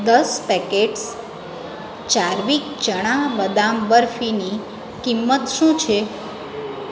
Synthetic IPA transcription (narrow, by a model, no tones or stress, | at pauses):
d̪əspɛkeʈs | t͡ʃaɾʋik | t͡ʃəɽ̃abəd̪amʋəɾfini | kimːət̪ʃũt͡ʃʰe